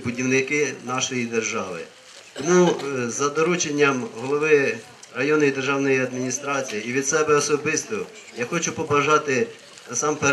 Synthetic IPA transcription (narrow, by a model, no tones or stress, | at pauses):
bʊdʲiwnɪkɪnɑʃɔjid̪erʒɑʋɪ̰ | t̪ɔmuzɐd̪ɔɾut͡ʃenʲːɐmɦɔlˠɔʋɪ | rɐjɔnʊjid̪erʒɑwnɔjiɐd̪mʲinʲist̪ɾɑt͡sʲijiːʋʲid̪sɛbɛɔsɔbɪst̪ɔ | jaxɔt͡ʃʊpɔbɐʒɑt̪ɪ | nɐsɑmpe